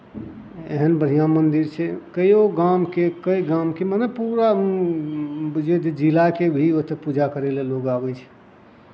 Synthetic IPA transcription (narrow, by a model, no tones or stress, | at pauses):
ḛɦənbəɽ̤ijãmənd̪iɾt͡ʃʰɛkəjoɡamkekəiɡamkemənəpuɾa | bd͡ʒed̪ed͡ʒilakebʱiot̪epud͡ʒakəɾeleloɡabɛt͡ʃʰɛ̥